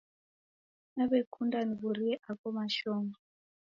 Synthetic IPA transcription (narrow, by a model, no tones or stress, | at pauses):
naβekʰundaniβuɾiɛʔakɔmaʃɔːŋɡa